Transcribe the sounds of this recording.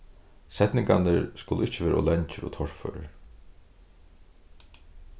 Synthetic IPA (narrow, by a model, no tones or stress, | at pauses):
sɛt̪nɪŋkanəɾskʊlʊɪt͡ʃːɪʋeːɾʔɔlɛɲt͡ʃɪɾɔ̰t̪ʰɔɹ̥fœ̰ɾ